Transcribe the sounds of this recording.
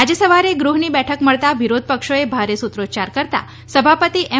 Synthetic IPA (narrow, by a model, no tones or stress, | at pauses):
ad͡ʒəsəʋaɾeɡɾuɦnibɛʈʰəkməɭt̪aʋiɾod̪̚ʱpəkʃoebʱaɾesut̪ɾod͡ʒt͡ʃaɾkəɾt̪a̰ | səbʱapət̪iʔe